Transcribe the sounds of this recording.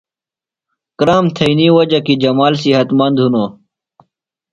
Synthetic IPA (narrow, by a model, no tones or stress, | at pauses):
kɾaːmt̪ʰɐiniwɐd͡ʑɐkid͡ʑɐmaːlsiɦɐt̪mɐnd̪ʱunoː